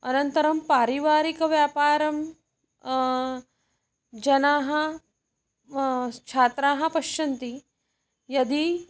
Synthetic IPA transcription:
ɐnɐnt̪ɐɾɐmpaːɾiʋaːɾikɐʋjaːpaːɾɐm | d͡ʒɐnaːɦɐ | t͡ʃʰaːt̪ɾaːɦɐpɐʃɐnt̪i | jɐd̪i

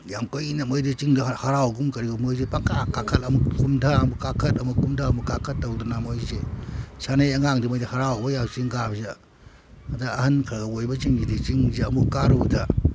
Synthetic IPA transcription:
jamkojinɐmojdit͡ʃiŋdɐhɐɾawɡumkɐɾiɡumojzepakakakʰɐtɐmukkumdʰamukakʰɐtɐmukumdʰamukakʰɐt̚ːɐwdunamojzesanejɐŋaŋdimojdihaɾawbɐjat͡ʃiŋɡabze | ɐdaːhɐnkʰɾɐɡɐojbɐt͡ʃiŋd͡ʒidit͡ʃiŋzeɐmukːaɾutʰa

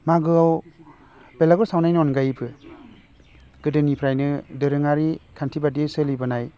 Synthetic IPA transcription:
maɡɯaw | belaɡɯsawnajnɔnɡajpʰɯ | ɡ̥ɯdɯnipʰɾajnɯdɯɾɯŋaɾikʰantʰibadisɯlibɯnaj

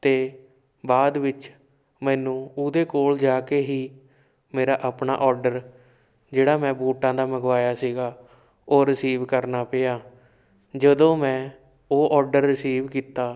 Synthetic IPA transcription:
t̪eː | baːd̪ʋɪt͡ʃ | mɛ̃ːnũːʊd̪eːkoːld͡ʒaːkeːɦiː | meːɾaːʔaːpna̰ːʔɔːɾɖəɾ | d͡ʒeːɽaːmɛ̃ːbuːʈãːd̪aːməɡʋaːjaːsiːɡaː | oːɾɪsiːʋkəɾnaːpeːaː | d͡ʒəd̪õːmɛ̃ː | oːʔɔːɾɖəɾːɪsiːʋkiːt̪aː

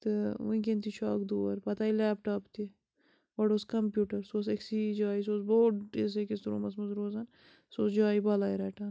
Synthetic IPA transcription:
t̪ɨʋuĩk̬ent̪iʃaːkd̪uːɐɾpɐt̪aːilɛːpʈaːpt̪i | ʋɐɖoːskɐmpjuːʈɐɾsoːseksiːd͡ʒaːis̬oːsboːʈes̬ekɪst̪ɾo̰ːmɐsmɐzɾoːzɐn | so̰ːsd͡ʒaːibaːlaːjɾɛːʈɐːn

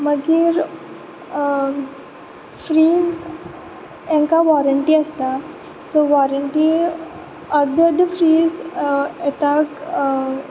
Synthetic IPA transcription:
məɡiɾ | fɾiːd͡z | ɛ̃ŋkaʋɔɾəɳʈiəst̪a | soʋɔɾəɳʈi | əɾd̪ʱəɾd̪ʱəfɾiːzɛt̪ak

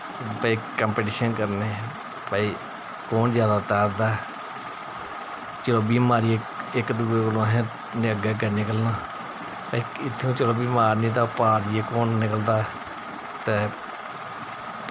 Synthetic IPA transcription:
pəiːkəmpeːʈiːʃənkəɾneː | pəiː | koːnzjaːd̪aːt̪ɛːɾd̪aː | t͡ʃəloːbiːmaːɾiːe | ɪkd̪uːeːkəlõɦɛ̃ː | nəɡɛːɡəːnɪkəlnaː | pəiːɪt̪ʰːũːt͡ʃəloːbiːmaːɾnĩːd̪aːpaːɾd͡ʒɪekoːnnɪkəld̪aː | t̪eː

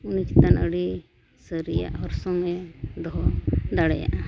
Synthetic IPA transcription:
unit͡ʃi̥t̪anəɽi | səɾija̰ʔɔɾsɔmɛd̪ɔɦɔd̪aɽɛja̰ʔ

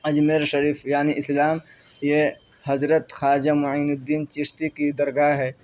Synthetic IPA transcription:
ɐd͡ʒmeɾʃɐɾiːfjaːniɪslaːm | je | hɐzɾət̪xaːd͡ʒamʊiːnɪd̪ːiːnt͡ʃɪst̪ikid̪ɐɾɡaɦɛː

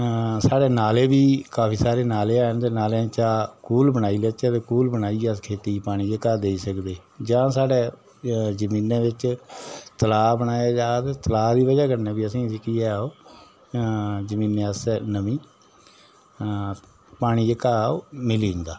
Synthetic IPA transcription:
saːɽeːnaːleːbiːkaːpʰiːsaːɾeːnaːleːaːənt̪eːnaːlẽːt͡ʃaːkuːlbəñaːiːləːt͡ʃat̪eːkuːlbənaːiːaskʰeːt̪iːpaːɽ̃iːd͡ʒəkaːd̪eːisəkd̪eːd͡ʒãːsaːɖeː | zəmĩːnẽːʋɪt͡ʃ | t̪əlaːbəɽ̃aːjaːd͡ʒaːt̪eːt̪əlaːd̪iːʋəd͡ʒaːkənãːbiːəsĩːsɪkiːɛːoː | zəmĩːnːẽːəsnəmĩː | paːɽ̃iːd͡ʒəkaːomɪliːɦɪ̃nd̪aː

